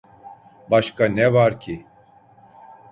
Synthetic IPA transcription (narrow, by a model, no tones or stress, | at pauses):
baʃkʰanɛvaɾcʰi